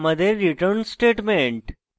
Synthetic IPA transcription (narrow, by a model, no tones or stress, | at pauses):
məd̪eɾːiʈəɾnsʈeːʈmẽɳʈ